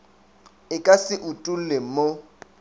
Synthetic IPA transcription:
ɪkʼasɪʔutʼul̩lem̩mo

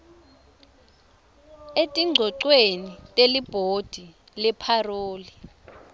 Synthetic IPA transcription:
etʼiŋ͡ǀʱɔǀwenitʼelib̥ʱod̥ʱi | lɛpʰaroːli

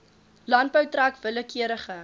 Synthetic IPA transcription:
lɐnt̚bœwtrækvələkiəɾəχə

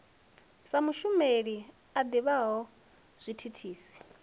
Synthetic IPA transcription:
samuʃumeɺi | ad̪iβaɦɔ | z̥ʷitʰitʰiːsi̥

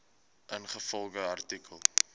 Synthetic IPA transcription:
ʔənχəfɔlˠɡəɐrtikʰəlˠ

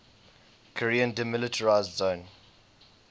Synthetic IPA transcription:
kʰəɹiə̃ndimɪlɪtʰəɹaɪzdzõːn

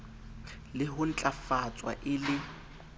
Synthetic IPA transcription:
lɪɦʊn̩t͡ɬʼafat͡sʼwa̰ʔɪlɪ

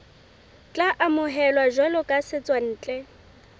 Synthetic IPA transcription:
t͡ɬʼaʔamʊɦɛlwaʒɔlʊkʼasɪt͡sʼwan̩ːt͡ɬʼɛ

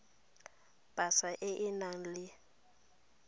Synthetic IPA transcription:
b̥ʱasaʔɪʔɪnaŋ̩lɪ

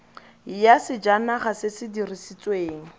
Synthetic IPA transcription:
jasɪd͡ʒanaχasɪsɪdirisit͡sʼweːŋ̩

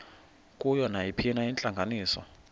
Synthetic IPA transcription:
kʼujɔnajipʰinaint͡ɬʼaŋɡʱaniːsɔ̰

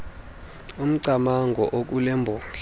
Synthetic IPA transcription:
um̩ǀamaŋɡʱɔʔok̬ʼulɛmbʱɔːɬ

